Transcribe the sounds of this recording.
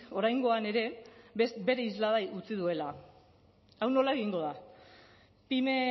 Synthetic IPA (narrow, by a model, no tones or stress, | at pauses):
o̞ɾajŋɡo̞ane̞ɾe̞ | be̞ɾe̞izlað̞ajʔut͡sið̞ue̞la | awno̞lae̞ɣ̞iŋɡo̞ða | pime̞